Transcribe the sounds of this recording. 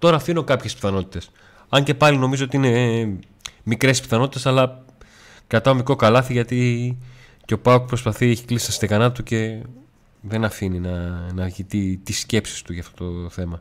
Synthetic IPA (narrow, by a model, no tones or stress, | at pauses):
t̪o̞ɾɐːfinokɐpçe̞spi̥θɐno̞t̪i̥t̪e̞s | ɐɲce̞pɐlino̞mizo̞ot̪iine̞ | mikɾe̞spi̥θɐno̞t̪it̪e̞sɐlɐ | kɐt̪ɐomikɾo̞kɐlɐθiʝɐt̪i | ceo̞pɐokpɾospɐθieçi̥klisi̥st̪ɐst̪ekɐnɐt̪uce̞ | ðe̞nɐfininɐnɐʝit̪it̪isce̞psi̥st̪uʝɐft̪o̞t̪oθe̞mɐ